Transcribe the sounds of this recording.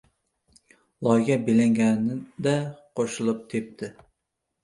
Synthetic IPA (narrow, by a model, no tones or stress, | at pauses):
lˠɒjɡʲabelaŋɡʲanɪd̪aqʰoʃɪlˠʊp̚t̪ʰep̚t̪ʰɪ